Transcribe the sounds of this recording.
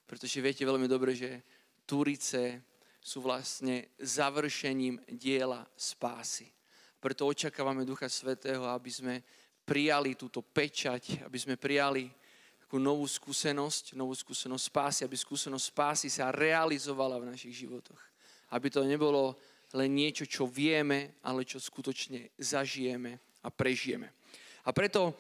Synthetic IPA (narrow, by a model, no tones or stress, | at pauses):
pɾɛt̪ɔʒɛʋɪɛcɛʋɛʎmid̪ɔbɾɛʒɛ | t̪uɾit͡sɛ | suːʋlast̪ɲɛzaʋr̩ʃɛɲiːmɟɪɛlaspa̰ːsi | apɾɛt̪ɔɔt͡ʃakaːʋamɛd̪uxasʋɛt̪ɛːɦɔabizmɛ | pɾijalit̪uːt̪ɔpɛt͡ʃaca̰bizmɛpɾijali | t̪ḁkuːnɔʋuːskuːsɛnɔscnɔʋuːskuːsɛnɔsʲspaːsiabiskuːsɛnɔsʲcspaːsisaɾɛalizɔʋalavnaʃiɣʒiʋɔt̪ɔx | abit̪ɔɲɛbɔlɔ | lɛnɲɪɛt͡ʃɔt͡ʃɔʋɪɛmɛa̰lɛt͡ʃɔskut̪ɔt͡ʃɲɛzaʒijɛmɛ | apɾɛʒijɛ̰mɛ̰ | apɾɛt̪ɔ